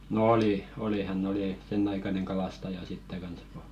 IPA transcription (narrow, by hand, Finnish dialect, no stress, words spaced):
nŏ oli oli hænː oli senː ɑikɑneŋ kɑlɑstɑjɑ sitːe kɑns ko